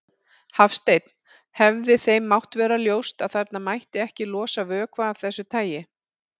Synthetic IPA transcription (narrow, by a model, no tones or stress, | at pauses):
hafst̪ejt̪n̥ | hɛvðɪθejmːawht̪vɛːɾaljoːwst̪aðθaɾt̪namajht̪ɪɛhcɪlɔːsavœːkʰvaːv̥θɛsːʏt̪ʰaːjɪ